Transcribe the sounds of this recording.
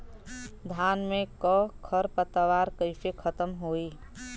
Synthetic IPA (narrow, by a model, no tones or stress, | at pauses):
d̪ʱaːnmẽkɔkʰəɾpət̪ːəʋaːɾkəɪpʰekʰət̪əmɦoːi